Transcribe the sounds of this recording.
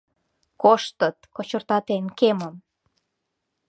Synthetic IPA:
koʃt̪ət̪̚kot͡ɕə̆rt̪ɑt̪enkeməm

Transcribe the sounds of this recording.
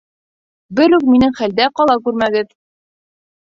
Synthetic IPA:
bɘɾʉk̚minɘŋχæld̪æqɑlˠɑkʉɾmæɡɘð

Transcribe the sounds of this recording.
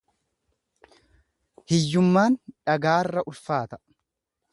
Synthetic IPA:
hɛjːʊmːaːnᶑɐɡaːrːɐʔʊlfaːt̪ɐ̥

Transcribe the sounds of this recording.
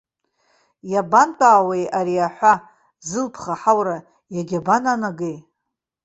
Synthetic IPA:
jabantʷʼaːwejaɾiaħʷa | zɨlpʰχaħawɾa | jaɡʲabananaɡej

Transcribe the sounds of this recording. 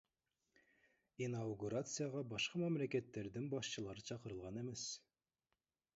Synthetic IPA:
inawɡuɾat̪sɨjaʁɑbɑʃqɑmæmlækʲæt̪ːæɾd̪ɘŋbɑʃɕɤ̆lˠɑɾɯt͡ɕʰɑqɤ̆ɾɤ̆lˠʁɑnemæs

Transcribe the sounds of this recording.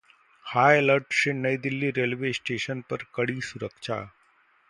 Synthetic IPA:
hajləɾʈɕenəjd̪ilːiːɾelʋesʈeʃənpəɾkəɽiːsuɾəkʂa̰

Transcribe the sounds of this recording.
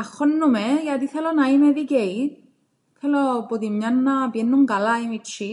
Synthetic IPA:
axɔnːumɛjad̪iθʰɛlɔnajmɛðiɡɛj | t̪ʰɛlɔbod̪imɲanːabiɛnːuŋɡalajmit͡ʃʰi

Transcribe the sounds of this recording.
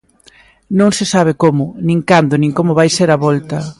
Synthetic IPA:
nõŋsɪsaβ̞ekomʊnĩŋkand̪ʊnĩŋkomʊβajseɾɐβɔlt̪ɐ

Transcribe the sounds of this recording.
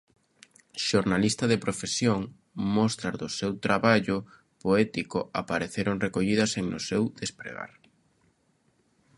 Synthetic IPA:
ʃoɾnalist̪ɐðepɾofesjoŋ | mɔst̪ɾaɾðʊsewt̪ɾaβaʎʊ | poɛt̪ikʊapaɾeθeɾoŋrekoʎiðɐseŋnʊsewðespɾḛɣa̰ɾ

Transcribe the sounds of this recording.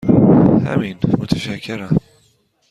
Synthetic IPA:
hæ̰miːnmʊt̪ʰaʃækʰːɪɾa

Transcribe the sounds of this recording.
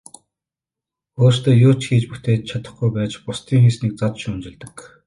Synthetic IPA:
oːrst̪eːjʊːt͡ɕxiːt͡ɕput̪eːt̪̚t͡ɕʰat̪ə̆χɡujpæːt͡ɕpʊst̪ʰiːŋxesniːk̚t͡sat̪ʃunt͡ɕɪ̆ɮt̪ə̆k

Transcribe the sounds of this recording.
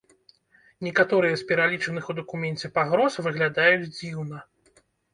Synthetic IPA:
nʲɛkat̪ɔɾɨjɐspʲɛɾalʲit͡ʂɐnɨxud̪ɐkumʲɛnʲt͡sʲɛpaɣɾɔsvɨɣlʲad̪ajut͡sʲd͡zʲiwnɐ

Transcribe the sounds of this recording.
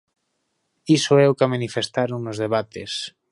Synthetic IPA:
isoɛokamãnifest̪aɾoŋnozðeβ̞at̪es

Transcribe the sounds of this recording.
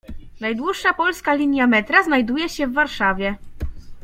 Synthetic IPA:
najd̪wuʂːapɔlskalʲiɲjamɛt̪ɾaznajd̪ujɛɕɛvːaɾʂavʲjɛ

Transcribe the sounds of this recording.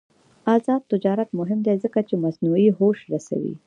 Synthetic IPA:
azɑd̪̚t̪ɪd͡ʒɑɾat̪mʊɦɪmd̪ezəkat͡ʃemasnuiɦoʃɾasa̰wḭ

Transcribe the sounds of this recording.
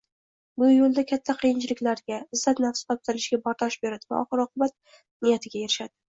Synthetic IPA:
bʊjolˠd̪akʲʰat̪ʰːaqʰijɪnt͡ʃʰɪlɪkʲlaɾɡʲaɪzːat̪nafst̪ʰɒp̚t̪ʰɪɾɪʃɡʲabɒɾt̪ʰaʃbeɾad̪ɪva̰ɒχɨɾɒqʰʊbat̪̚ | nɪjat̪ʰɪɡʲajeɾɪʃad̪ɪ

